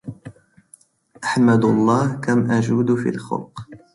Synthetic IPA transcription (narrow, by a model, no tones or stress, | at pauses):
ʔaħmad̪lˤːɑːhkamʔad͡ʒuːd̪fḭːlxʊ̰lq